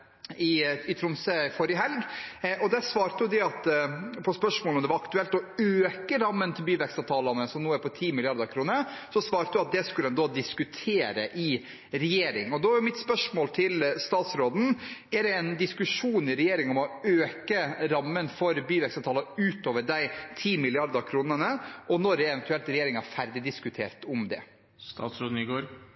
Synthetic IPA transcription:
ɪɪt̪ʰɾʊmsəfɔɾjəɦɛlɡʔɔd̪ɛsʋɑːɾt̪əjʊd̪ɛɑt̪pʰɔspœʂmoːlɔmd̪ɛʋɑɾɑkt̪ʉɛlt̪ɔøːkəɾɑmːənt̪ʰɪlbyːʋɛkst̪ɑːʋt̪ʰɑːlɑnəsɔmnuːæɾpɔt̪ʰiːmɪlɪɑɾd̪ɑɾkʰɾuːnəsɔsʋɑːɾt̪əd̪ʉɑt̪̚d̪ɛskʉld̪ɛnd̪oːd̪ɪskʉt̪ʰeːɾə̰ʔɪ | ɾɛjeːɾɪ̰ŋɔd̪ɔæjʊmɪt̪spœʂmoːlt̪ʰɪlst̪ɑːt̪sɾoːd̪n̩æɖɛɛnd̪ɪskʉʂuːnɪɾɛjeːɾɪŋɔmɔøːkəɾɑmːənfɔɾbyːʋɛksɑʋt̪ʰɑːlɑʉːt̪oːʋəɖæɪt̪ʰiːmɪlɪɑɾd̪ɑkʰɾuːnənəʔɔnɔɾɛɛʋɛnt̪ʉɛlt̪ɾɛjeːɾɪŋɑfæɾd̪ɪd̪ɪskʉt̪ʰḛːɾt̪ɔmd̪ɛ̰ | st̪ɑ̰ːt̪sɾoːd̪n̩ɪɡoːɾ

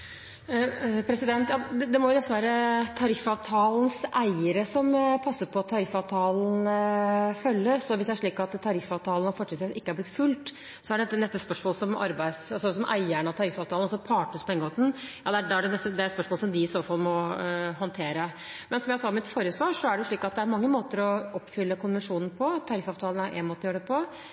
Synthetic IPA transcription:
pʰɾɛsɪd̪ɛnt̪jɑːɛd̪ɛmɔjʊd̪ɛsəʋæːɾət̪ʰɑɾɪfːɑʋt̪ʰɑːln̩sæɪəɾəsɔmpʰɑsːəɾpʰɔɑt̪ʰːɑɾɪfːɑʋt̪ʰɑːln̩ | fœlːəsɔʋɪsd̪ɛæʂɭiːkɑt̪t̪ʰːɑɾɪfɑʋt̪ʰɑːlnɔfɔʈːɪlsʋiːsɪkːəæɾblɪt̪ːfʉlt̪ | sɔæɖɛɛt̪ːənɛst̪əspœʂmoːləsɔmɑ̰ɾbæɪd̪sɑlsɔsɔmʔæ̰ɪæɳɑt̪ʰɑɾɪfɑːʋt̪ʰɑlɔsɔpʰɑːʈəspʰɔɛŋːəoːt̪n̩jɑ̰ːd̪ɛæɖɛæɖɛnɛst̪əd̪ɛæɾt̪spœʂmoːləsɔmd̪ɪɪsoːfɑlmɔɦɑnt̪ʰeːɾə | mɛnsɔmjæɪsɑːmɪt̪fɔɾəsʋɑːɾʂɔæɖɛjʊʂɭiːkɑt̪̚d̪ɛæɾmɑŋːəmoːt̪əɾɔɔpːfʏlːəkʰʊnʋənʂuːnn̩pʰɔt̪ʰɑɾɪfɑːʋt̪ʰɑːln̩æɾʔæ̰ɪnmoːt̪ːɔjøːɾəd̪ɛpʰɔ

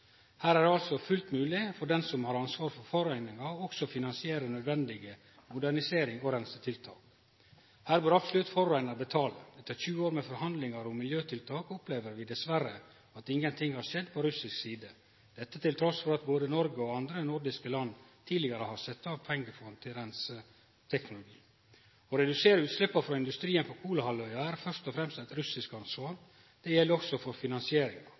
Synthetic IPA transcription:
hæːɾæɾɖɑlsɔfʉlt̪mʉːlɪfɔɖɛnsɔmhɑɾɑnsʋɑːɾfɔɾfɔɾæɪnɪŋɑɔksɔfɪnɑnsɪeːɾənœd̪ʋɛnd̪ɪɡə | mʊd̪æɳɪseːɾɪŋɔɾɛnst̪ət̪ʰɪlt̪ʰɑ̰ːk | hæːɾbøːɾɑpsɔlʉt̪fɔɾæɪnɑɾbət̪ʰɑːlə̰ɛt̪ːəɾçʉːəoːɾmɛfɔɾhɑnd̪lɪŋɑɾʊmːɪljøːt̪ʰɪlt̪ʰɑːkʊpleːʋəɾʋɪd̪ɛsʋæɾə | ɑt̪ɪŋːənt̪ʰɪŋːhɑɾʂɛd̪pʰɔɾʉsɪsksiːd̪ə | d̪̥ɛt̪ːət̪ʰɪlt̪ʰɾɔsfɔɾɑt̪boːd̪ənɔɾɡəɔɑnd̪ɾənʊɾɖɪskəlɑnːt̪ʰiːlɪɡɑɾəhɑsɛt̪ːɑːʋpʰɛŋːəfɔhɑnt̪ʰɪɾɛns | t̪ʰɛknʊlʊɡiː | ɔɾɛd̪ʉseːɾəʉːt̪slɛpːɑfɾɑːɪnd̪ʉst̪ɾiːənpɔkʰuːləhɑlœʏɑæɾfœʂt̪ɔfɾɛmst̪ɛt̪ɾʉsɪskɑnsʋɑːɾ | d̪̥ɛjɛlːəɾɔksɔfɔɾfɪnɑnsɪeːɾɪŋɑ

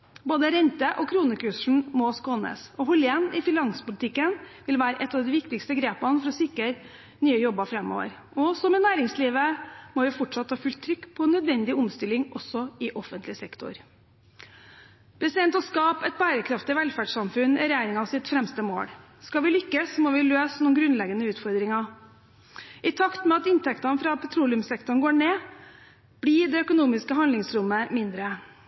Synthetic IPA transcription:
boːd̪əɾɛnt̪əʔɔkʰɾuːnəkʉʂɳ̩mɔskoːnə̰sɔɦʊlenɪfɪnɑŋsə̥pʊlt̪ʰɪkːənʋɪlʋæːɾəʔɛt̪ːɑːʋd̪ɪʋɪkt̪ɪkst̪əɡɾeːpənfɔɾɔsɪkːəɾ | nyːəjɔbːəfɾɛmːo̰ːʋə̰ɾ | ɔsɔmɛnæːɾɪŋsliːʋəmɔjʊfɔʈʂɑt̪hɑːfʉlt̪ʰːɾʏkːpʰɔnœd̪ʋɛnd̪ɪʊmst̪ɪlɪŋɔsːɔɪʔɔfənt̪lɪsɛkt̪ʰʊ̰ɾ | pʰɾɛsɪd̪ɛnt̪ɔskɑːpɛt̪̚bæːɾəkʰɾɑft̪ɪʋɛlfæɖʂɑmfʉnɪɾɛjæːɾɪŋɑʋsɪt̪fɾɛmst̪əmo̰ːɽ | skɑʋɪlʏkːəsmɔʋɪløːsnuːɡɾʉnlɛɡənəʉːt̪fɔɾd̪ɾɪŋɑ | ʔɪt̪ʰɑkt̪mɛɑt̪ɪnt̪ʰɛkt̪ɑnfɾɑpʰɛt̪ʰɾuːlɪʉmsɛkt̪ʊɳɡoːɳeː | b̥ɽiːɖ̪ɛœkʊnuːmɪskəɦɑnd̪lɪŋsɾʊmːəmɪnd̪ɾə

